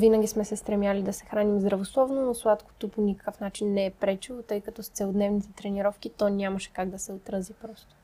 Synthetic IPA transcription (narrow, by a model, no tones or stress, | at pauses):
vinəɡʲismɛsɛst̪ɾɛmʲjalid̪ɐsɛ̥xɾanimzd̪ɾɐvoslˠɔvnonoslˠat̪ko̥t̪oponʲikɐ̥kəfnat͡ʃinːɛːpɾɛt͡ʃilˠot̪ɤjkɐt̪ɔst̪sɛlˠod̪nɛvnit̪ɛt̪ɾɛniɾɔfk̟it̪ɔnʲamɐʃɛ̥kaɡd̪ɐsɛot̪ɾɐzipɾɔst̪o̥